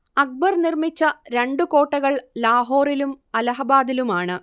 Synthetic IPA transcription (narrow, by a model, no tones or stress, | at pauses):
ɐk̚bɐrnirmit͡ɕːɐɾe̞ɳɖuko̞ːʈːɐɣɐɭlaːɦo̞ːrilumɐlɐɦɐbaːd̪ilumaːɳɨ